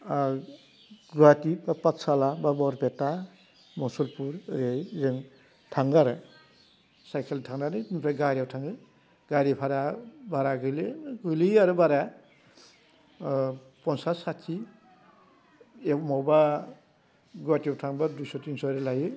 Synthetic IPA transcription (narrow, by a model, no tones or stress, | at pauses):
ɡɾatipapatsalababɔɾbeta | mɔsɔlpuɾɾejzɯŋ | tʰaŋɡaɾɯ | sajkʰeltʰaŋnanɯnipʰaɡaɾiawtʰaŋɯ | ɡaɾipʰaɾabaɾaɡɯliɡɯliaɾɯbaɾa | pɔnsasatʰi | emawba | ɡuwatiwtʰaŋbadujsɔtinsɔɾelajɯ